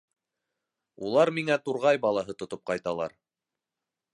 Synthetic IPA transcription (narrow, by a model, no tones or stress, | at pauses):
ṵlˠɑɾmiŋæt̪uɾʁɑjbɑlˠɑɦɤt̪ŏt̪op̚qɑjt̪ɑlˠɑ̰ɾ